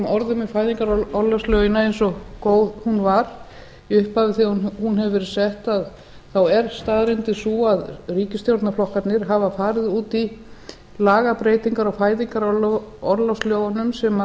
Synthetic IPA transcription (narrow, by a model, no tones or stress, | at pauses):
mɔɾðʏmɪfaːjðiŋkaɾɔɾlawslowjɪnaejnsɔkoːwðhunvaɾ | ʏhpavɪθinhunɦɛvvɛɾsɛht̪að | θawɛɾ̥st̪aːðɾɪnt̪ɪsuaðriːcɪst̪jowɾt̪naflɔhkat̪nɪɾ̥ɦavafaːɾɪðuːt̪i | laːɣapɾeːjt̪iŋkaɾawfaːjðiŋkaɾɔlɔɾlawsljoːwɣanʏmsɛma